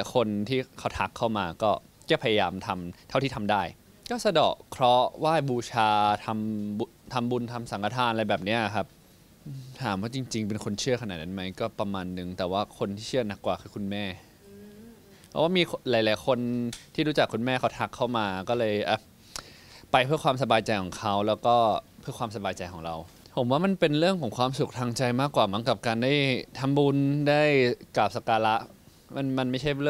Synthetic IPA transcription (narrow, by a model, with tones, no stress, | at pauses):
a˨˦jkʰo˧nt̪ʰiː˥˩kʰa˦˥wt̪ʰa˦˥kʰːa˥˩wmaː˧kɔː˥˩ | kɛː˥˩pʰa˧ja˧jaː˧mt̪ʰa˧mt̪ʰa˥˩wt̪iː˥˩a˧mdaː˥˩j | kɔː˥˩sa˧dɔ̰ː˨˩kkʰɾɔ˦˥waː˥˩jbuː˧t͡ɕʰaː˧t̪ʰa˧mu˧t̪ʰa˧mbu˧nt̪ʰa˧msa˨˩˦kʰa˧˩t̪ʰaː˧nʔla˧jbɛː˨˩p̚ni˦˥ɐ˩kʰa˦˥p̚ː | t̪ʰaː˩˦mwaː˥˩t͡ɕi˧ŋt͡ɕi˧ŋpe˧nkʰo˧nt͡ɕʰɯ˥˩ɐkʰnaː˨˩na˧˩ma˦˥jkɔː˥˩pa˧maː˧nːɯ˨˩ŋt̪ɛː˨˩waː˥˩kʰo˧nt̪ʰiː˥˩t͡ɕʰɯ˥˩ɐna˦˥kːwaː˨˩kʰɯ˨˧˩kʰu˧nmɛː˥˩ | pʰɔ̰˦˥˩waː˥˩miː˧laː˨˩˦jlaː˨˩˦jkʰo˧nt̪ʰiː˥˩ɾuː˦˥t͡ɕa˨˩kʰːu˧nmɛː˥˩kʰa˦˥wt̪ʰa˦˩kʰːa˥˩wmaː˧kɔː˥˩lɤː˧jʔaː˨˩ | pa˧jpʰɯ˥əkwaː˧ms̬a˧baː˧jt͡ɕa˧jkʰɔː˨˩˦ŋkʰa˦˥wlɛː˦˥wkɔː˥˩pʰɯ˥˩əkwaː˧ms̬a˧baː˧jt͡ɕa˧jkʰɔː˩˦ŋɾa˧w | pʰo˩˦mwaː˥˩ma˧npe˧nɾɯ˥˩əŋkʰɔː˩˦ŋkʰwaː˧msu˨˩k̚t̪ʰa˧ŋt͡ɕa˧jmaː˥˩kwaː˨˩mɯ˦ŋka˨˩p̚kaː˧ndaː˥˩jt̪ʰa˧mbuː˧ndaː˥˩jkla˨˩p̚sa˧kaː˧la˦˥ʔ | ma˧nma˧nma˥˩t͡ɕʰa˥˩jlɯ˥˩